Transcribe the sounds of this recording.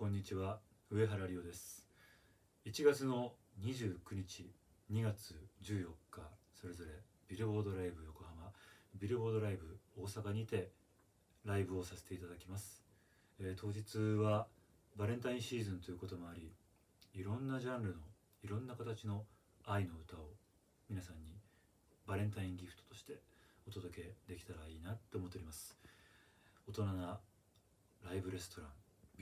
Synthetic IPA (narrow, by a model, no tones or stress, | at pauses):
kõ̞ɲ̟ːit͡ɕiβaɯ̟e̞ɦaɾaɾʲio̞d̪e̞sɨ̥ | it͡ɕiɡat͡sɨno̞ɲ̟iʑɨːkɯ̟ɲ̟it͡ɕiɲ̟iɡat͡sɨd͡ʑɨːjo̞kːaso̞ɾe̞zo̞ɾe̞ | bʲiɾɯ̟bo̞ːd̪o̞ɾaibɯ̟joko̞hamabʲiɾɯ̟bo̞ːd̪o̞ɾaibɯ̟o̞ːsakaɲ̟it̪e̞ | ɾaibɯ̟o̞sase̥t̪e̞it̪ad̪akʲimasɨ̥ | et̪ʰo̞ːʑit͡sɨβa | baɾẽ̞nt̪aĩɕiːzɨ̃nt̪o̞jɯ̟ko̞t̪o̞mo̞aɾʲi | iɾõ̞nːaʑãnɾɯ̟no̞ | iɾõ̞nːakat̪at͡ɕino̞ | aino̞ɯ̟t̪ao | mʲinasãɲ̟ːi | baɾẽ̞nt̪aĩŋɡʲiɸɯ̟̥t̪ot̪o̞ɕi̥t̪e̞o̞t̪o̞d̪o̞ke̞d̪e̞kʲi̥t̪aɾaiːnat̪ːe̞oːmot̪ːeɾimasɨ̥ | ot̪o̞nana | ɾaibɯ̟ɾe̞sɨ̥t̪o̞ɾãŋ